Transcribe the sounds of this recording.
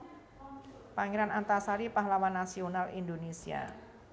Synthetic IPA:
paŋeɾanant̪asaɾipaɦlawanːasionalḭndonesia̰

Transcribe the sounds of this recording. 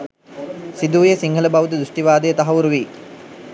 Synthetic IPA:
sid̪uːjesiŋɡələbaʋud̪əd̪ɾuʂʈiʋaːd̪əjət̪aɦɐuɾuʋiː

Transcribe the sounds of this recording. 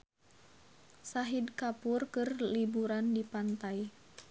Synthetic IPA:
saɦidkapurkɨrlibuɾandipant̪aj

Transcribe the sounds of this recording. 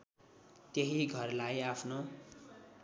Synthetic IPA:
t̪jeɦiɡʱʌrlajapʰno

